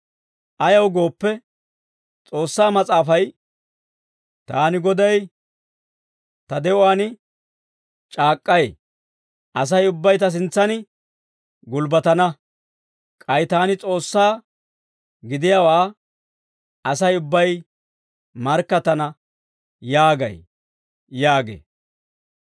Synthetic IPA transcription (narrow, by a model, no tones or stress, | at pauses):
ʔɐjɐwɡo̞ːpːɛ | t͡sʼo̞ːsːaːmɐt͡sʼaːfɐj | t̪aːnɪɡɔd̪ɐj | t̪ɐd̪ɛʔʊwaːnɪ | t͡ʃʼaːkʼːɐj | ʔɐs̬ɐjʊbːɐjt̪ɐs̬ɪnt͡sːɐnɪ | ɡʊlbɐt̪ɐnɐ | kʼɐjt̪aːnɪt͡sʼo̞ːsːaː | ɡɪd̪ɪjaːwaː | ɐsɐjʊbːɐj | mɐɾkːɐt̪ɐnɐ | jaːɡɐ̰j | jaːɡḛː